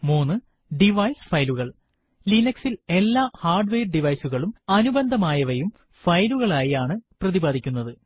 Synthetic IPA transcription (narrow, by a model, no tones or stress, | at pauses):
moːnɨ | ɖiʋɐjsfɐjluɣɐɭ | linɐksile̞lːaːhaːrɖʋeːrɖiʋɐjsuɣɐɭumɐnubɐnd̪ʱɐmaːjɐʋɐjum | fɐjluɣɐɭaːjiaːɳɨprɐðibaːd̪ʱikʲːunːɐðɨ